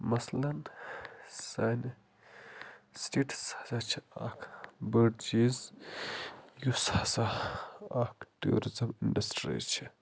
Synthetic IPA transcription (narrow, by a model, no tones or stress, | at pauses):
mɐslɐn | saːn | sʈeʈsḁsat͡ʃʰia̰ːkʰbəɖd͡ʒiz | jusasa | aːkʰʈṵo̰ɾizɐminɖɐsʈɾḭt͡ʃʰi